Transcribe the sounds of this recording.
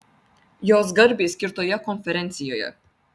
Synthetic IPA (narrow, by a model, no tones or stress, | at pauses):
joːzɡɐɾbiskʲiɾt̪ʰojakʰɔnfɛɾɛnt̪sijojə̰